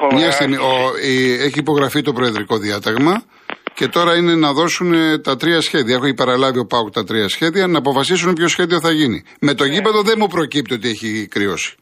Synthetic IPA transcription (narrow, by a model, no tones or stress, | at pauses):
mɲɐst̪iɣmioieçiːpo̞ɣɾɐfit̪o̞pɾoeðɾiko̞ðiɐt̪ɐɣmɐ | ce̞t̪o̞ɾɐine̞nɐðo̞sunet̪ɐt̪ɾiɐsçe̞ðiɐe̞xoipɐɾɐlɐvio̞pɐokt̪ɐt̪ɾiɐsçe̞ðiɐnɐːpo̞fɐsis̬unpço̞sçe̞ðio̞θɐʝinḭ | me̞t̪o̞ʝipɐðoðe̞mupɾo̞cip̚t̪io̞t̪ie̞çikɾio̞̰si̥